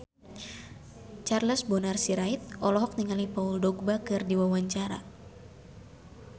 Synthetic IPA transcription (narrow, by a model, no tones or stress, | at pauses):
t͡ʃarləsbɔnarsiɾait̪̚ɔlɔɦɔk̚niŋalipauldɔɡ̚bakɨrdiwawaɲt͡ʃaɾa̰